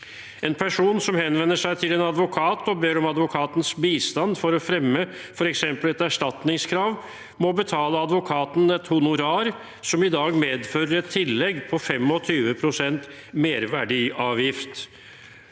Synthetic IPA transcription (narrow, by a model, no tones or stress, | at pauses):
ɛnpʰæʂuːnsɔmhɛnʋɛnːəʂæɪt̪ʰɪleːnɑd̪ʋʊkʰɑːt̪ɔbeːɾɔmɑd̪ʋʊkʰɑːt̪n̩sbiːst̪ɑnd̪fɔɾɔfɾɛmːə | fɔɾɛksɛmpəlɛt̪æʂʈɑt̪nɪŋskʰɾɑːʋ | mɔbət̪ʰɑːləɑd̪ʋʊkʰɑːt̪n̩ɛt̪hʊnʊɾɑːɾ | sɔmɪd̪ɑːɡmeːd̪fœɾəɾɛt̪ʰːɪlːɛɡːpʰɔfɛmɔt̪ʰyːʋəpʰɾʊsɛnt̪ | meːɾʋæɖiːʔɑːʋjɪft̪